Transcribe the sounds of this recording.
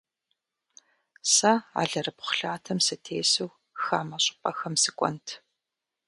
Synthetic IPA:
sɐa̰ːɮɐrɨpχʷʊ̥ɬaːtʰɐmsɨtʰeːsɨw | xaːmɐɕʼɪ̥pʼɐxɐmsɨkʷʼɔ̰ntʰ

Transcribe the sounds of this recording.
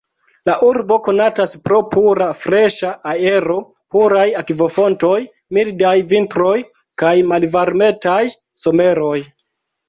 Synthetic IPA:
laʔuɾbo̞ko̞nataspɾo̞puɾafɾe̞ʃaʔae̞ɾo̞ | puɾajakvo̞fo̞nto̞j | mildajvintɾo̞j | kajmalvaɾme̞taj | so̞me̞ɾo̞j

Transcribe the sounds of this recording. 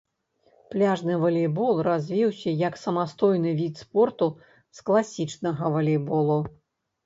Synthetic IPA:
plʲaʐnɨvɐlʲejbɔlˠrazʲvʲiwsʲɐjɐksɐmast̪ɔjnɨvʲit̪spɔrt̪u | sklˠasʲit͡ʂnɐɣɐvɐlʲebɔlˠu

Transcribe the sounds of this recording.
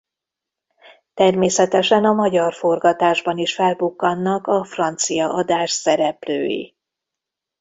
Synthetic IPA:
t̪ɛrmeːsɛt̪ɛʃɛnɒmɒɟɒrfo̞rɡɒt̪aːʒbɒniʃfɛlbukːɒnːɒkɒfrɒn̪t̪sijɒʔɒd̪aːʃsɛɾɛplø̰ːjḭ

